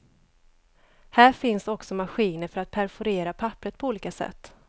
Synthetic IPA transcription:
hæːɾfɪnsɔksɔmaɧiːnəɾfœɾat̪̚pʰæɾfʊɾeːɾapʰapːɾət̪̚pʰɔuːliːkasɛ̰t̪ː

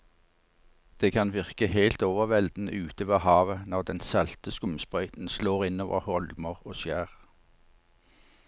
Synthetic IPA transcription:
d̪̥eːkʰɑnʋɪʁkəheɪlt̪oːʋəʁʋɛld̪n̩əʉːt̪oːʋɑhɑːʋənɔʁd̪ɛnsɑlt̪əskʊmspʁœʏt̪n̩sloːʁɪnoːʋə̰ʁhɔlməʁoːsjæːʁ

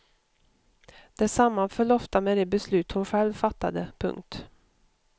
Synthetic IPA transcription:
d̪̥ɛsamːafœɭɔft̪amɛd̪ɛːbɛslʉ̟ːt̪hʊnɧɛlvfat̪ːad̪əpʰɵ̰ŋkt̪

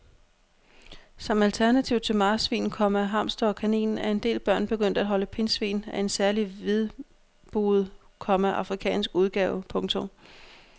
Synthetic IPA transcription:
sɒ̽mælt͡sʰæɐnæt͡sʰiʊt͡sʰe̝lmɑ̈ːsʋḭːn̩kʰɒ̽mæɦɑ̈msd̥ɒkʰænḭːnn̩æɐe̝nd̥e̝̰ːlb̥ɶɐ̰nb̥e̝ɡ̥øn̰d̥æd̥ɦɒ̽ləpʰe̝nsʋḭːnæe̝nsæɐliʋeðˠ | b̥uð̩ˠ | kʰɒ̽mæʔɑ̈fʁikʰɛ̰ːnsɡ̥uðˠɡ̥ɛːʊpʰɔ̽ŋt͡sʰɔ̽m

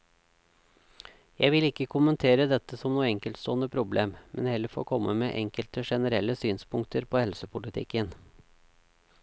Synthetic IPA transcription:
jæɪʋɪlɪkːəkʰʊmənt̪ʰeːɾəd̪ɛt̪ːəsɔmnuːəɛŋkəlt̪st̪oːənəpʰɾʊbleːmmʔɛnhɛlːəɾfo̰ːkʰɔmːəmeːʔɛŋkəlt̪əʂɛnəɾɛlːəsyːnspʰʊŋkt̪ʰəɾpʰoːhɛlsəpʰʊlɪt̪ʰɪ̰kːən

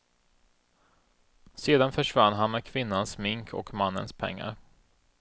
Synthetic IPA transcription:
seːd̪anfœʂvanːɦanmɛkʰvɪnːansmɪŋkʰɔ̰kmanːə̰nspʰɛ̰ŋːa̰ɾ

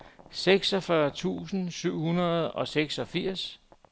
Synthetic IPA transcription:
seɡ̥sɒfɶɐt͡sʰṵːsn̩syʊ̰hunɐð̩ˠɒ̽seɡ̥sɒ̽fiɐ̰s

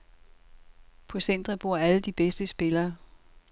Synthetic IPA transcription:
pʰɒ̽sen̰d̥ʁɐb̥o̝ɐ̰æləd̥ib̥esd̥əsb̥e̝lɐː

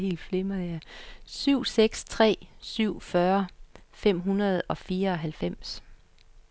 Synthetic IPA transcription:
he̝̰ːld̥flemɐðˠjæsyʊ̰seɡ̥st͡sʰʁɛ̰ːsyʊ̰fɶɐfem̰ɦunɐð̞ˠɒ̽fiːɐɒ̽ɦælfem̰s

